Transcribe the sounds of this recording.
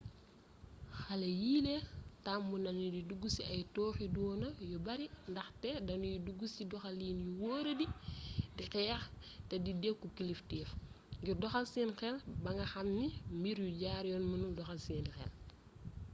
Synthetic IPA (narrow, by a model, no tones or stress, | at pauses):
xɐlɐjiːletambunɐnididuɡusiɐjtɔːxidɔːnɐjɔbɐɾindɐxtɛdɐnjuduɡusidɔxɐliːnjuwɔːɾɐdidixɛːx | tɛdidɛkːukiliftiːf | ɡirdɔxɐlsiːnxɛlbɐŋɡɐxɐmnimbiɾjuɟaːɾjɔnmunuldɔxɐlsiːnxɛ̰l